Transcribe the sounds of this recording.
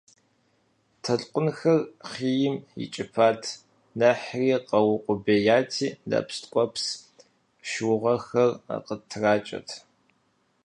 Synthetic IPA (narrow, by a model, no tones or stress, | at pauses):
tʰɐɬʼqʷʼʊnxɐrχiːjɪmjɪ̰t͡ʃʼɪpʰaːtʰ | nɐħriːqɐwʊqʷʼʊbeːjaːtʰiːda̰ːpstʼkʷʼɔps | ʃwʊʁɐxɐra̰qətʰraːt͡ʃʼɐ̰tʰ